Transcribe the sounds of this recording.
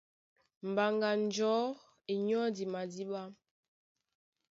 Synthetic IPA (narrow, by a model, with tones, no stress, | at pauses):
m̩˨ba˨ŋɡa˨n̩˨d͡ʒɔ˨˦ | e˨ɲɔ˦di˨ma˨di˦ɓa˦m